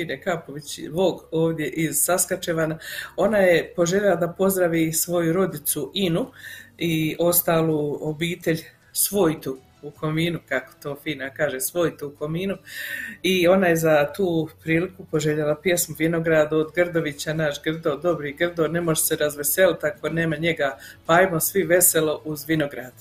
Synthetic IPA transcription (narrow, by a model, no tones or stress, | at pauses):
fiːnekaːpo̞ʋit͡ɕʋo̞ːɡoːʋd̪je̞ʔiz̥saskat͡ʃeʋanao̞naje̞po̞ʒeʎelad̪apo̞zd̪ɾaʋiːsʋo̞juɾo̞d̪it̪suʔinuio̞st̪aːlˠuːobiːt̪e̞ʎ | sʋo̞ːjit̪u | ukʰo̞miːnukako̥t̪o̞ːfiːnakaːʒesʋo̞ːjit̪uuko̞miːnu | io̞naje̞zat̪uːpɾiːlikupo̞ʒe̞ʎelapje̞smuʋino̞ɡɾaːd̪od̪ɡr̩d̪o̞ʋit͡ɕanaːʃɡr̩d̪od̪o̞bɾiɡr̩d̪oːne̞mo̞ʒseɾazʋe̞se̞lit̪akone̞ːmaɲe̞ɡapajmosʋiʋe̞se̞loʔuzʋinoɡɾaːd̪̥